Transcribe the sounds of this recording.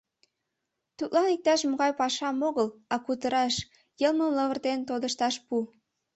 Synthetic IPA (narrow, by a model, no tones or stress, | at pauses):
t̪ut̪lɑnik̚t̪ɑʃmoɣɑjpɑʃɑmoɣəlɑkut̪əɾɑʃ | jəlməmləβərt̪ent̪od̪əʃt̪ɑʃpu